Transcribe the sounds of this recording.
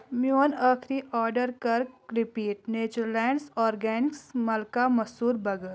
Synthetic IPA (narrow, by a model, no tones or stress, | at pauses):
mjuːnaːkʰɾiʔɔːɾɖəɾkɐɾɾɪpiːʈ̚neːt͡ʃəɾlɛːɳɖsɔːɾɡɛːnɪksmɐlkamɐsuːɾbɐɡət̪